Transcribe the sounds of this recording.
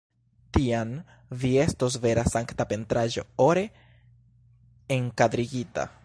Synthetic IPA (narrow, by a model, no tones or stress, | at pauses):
tian | vie̞stos̬ve̞ɾasaŋktape̞ntɾaʒo̞̰oɾe̞ | eŋkadɾiɡita̰